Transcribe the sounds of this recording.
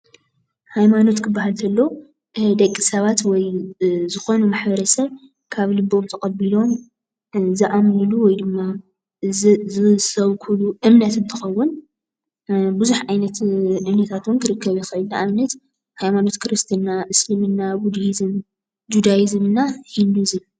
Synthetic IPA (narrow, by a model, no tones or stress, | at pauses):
hajmano̞t̪kʰɨbːaɦalt̪ʰɐlːɐ | d̪ɐkʼːisɐβat̪wɔjzɨxo̞numaħbɐɾɐsɐβ | kʰaβlɨbo̞mt̪ʰɐkʼɐbilo̞m | zɨʔamnɨluwɔjd̪ɨmːa | ɨsɐβkʰuluʔɨmnɐt̪ɨnt̪ʰɨxɐwːʊn | bɨzuħʕajnɐt̪ʔɨmnɐt̪ʰat̪ʰunkʰɨɾɨkːɐβjɛxɐɨlːaʔamnɐt̪ | hajmano̞t̪kʰɨɾɨst̪ʰinːaʔɨslimɨnːaɡud̪izɨm | d͡ʒud̪ajizɨmɨnːahinduzɨ